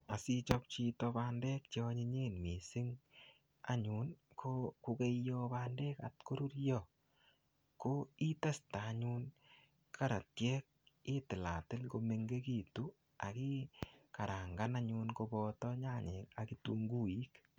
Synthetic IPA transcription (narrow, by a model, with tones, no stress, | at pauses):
a˨si˦t͡ʃɔ˦p̚t͡ʃi˧tɔba˦ndɛ˦k̚t͡ʃe˦ɔ˦ɲi˧ɲi˦˨nmi˨sɪ˦ŋ | a̰˦ɲu˨nkʰoku˧ke˦jɔba˦nde˦ka̰˨tko˦ɾu˦ɾjɔ˦ | ko˦i˦ta˦staː˨˦ɲun | kʰa˦ɾa˨tjɛ˦k̚ɪ˦tɪ˨la̰˨tɪ˦lko˧me˧ŋɡe˦ki˦˨tu˦ | a̰˨ki˦ka˨ɾa˨ŋɡa˦na˦ɲu˧nko˧bɔtɔ˦ɲa˦ɲe˨ka˨ki˦tu˦ŋɡu˦i˦k